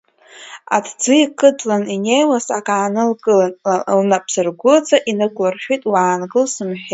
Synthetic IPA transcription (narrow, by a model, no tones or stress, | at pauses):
a̰tʰd͡zɨikʰʼɨt͡sʼlaninejwasakʼaːnɨlɡʼɨlanlnapʰsɨrɡʷʊt͡sʼaʔinɨkʷʼlarʃᶣijtʼwaːnɡɨlsɨmħᶣe